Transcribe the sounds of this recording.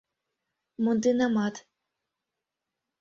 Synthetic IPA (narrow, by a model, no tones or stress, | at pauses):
mund̪inɑmɑt̪